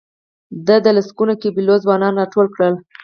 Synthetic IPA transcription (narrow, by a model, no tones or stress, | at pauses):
d̪əd̪əlaskunakebilozwɑnɑnɾɑʈolkɽəl